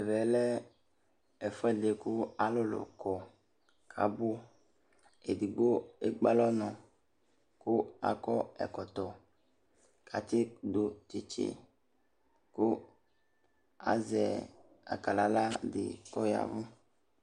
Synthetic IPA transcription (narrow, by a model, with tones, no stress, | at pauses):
e˨vɛ˨lɛ˦ | ɛ˨fɛ˦ɖe˨ku˦a˨lo˦lo̰˨kɔ˨ | kʰa̰˨bo˦ | e˨di˨ɡ͡bo˦e˦ɡ͡ba˦lɔ˦nɔ̃˨ | ku˦a̰˨kɔ˦ɛ̰˨kɔ˨t̪ɔ˨ | kʰa˨t̪i˦do˨t͡ʃe˨t͡ʃḛ˦ | ku˦ | a̰˨zɛ˨ | a̰˨ka˨la˨la˦dḛ˨kɔ˦ja̰˨vu˦